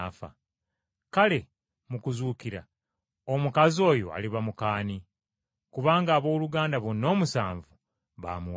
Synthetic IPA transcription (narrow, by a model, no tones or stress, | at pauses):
fa̰ | kale̞ | mukuzuːkiɾa̰ | omukazio̞ːjo̞̰a̰liβamukaːni | kuβaːŋɡaːβo̞ːluɡaːndaβonːo̞ːmusaːɱvu | βa̰ːmuw